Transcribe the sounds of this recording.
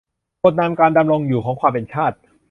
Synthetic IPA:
ko˨˩t̪̚naː˧mkaː˧nda˧mɾo˧ŋjuː˨˩kʰɔː˩˦ŋkʰwaː˧mpe˧nt͡ɕʰaː˥˩t̪̚

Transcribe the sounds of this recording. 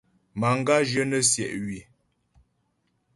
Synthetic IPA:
ma˨ŋ˦ɡa˦ʒə˦nə˦sjɛ˨ʔɥi˨

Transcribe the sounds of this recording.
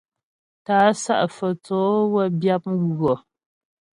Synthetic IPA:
taː˨˦sa̰˦ʔfɔ˨t͡sɔː˨˦wɛ˦bja˦p̚ɣɔ˨

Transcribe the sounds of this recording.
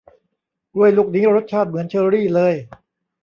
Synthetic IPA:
du˥˩əjlu˥˩k̚niː˦˥ɾo˦˥t̪̚t͡ɕʰaː˥˩t̪̚mɯ˩˦ənt͡ɕʰɤː˧ɾiː˥˩lɤː˧j

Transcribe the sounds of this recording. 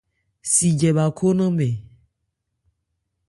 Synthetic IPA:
si˨d͡ʒɛ˨βa˨kʰo˦nã˦mẽ˨

